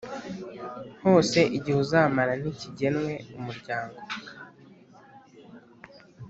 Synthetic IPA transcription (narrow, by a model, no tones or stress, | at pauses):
nho̞ːse̞ʔiɟihuzamaɾan̥iciɟe̞nwe̞umuɾɟaːŋɡo̞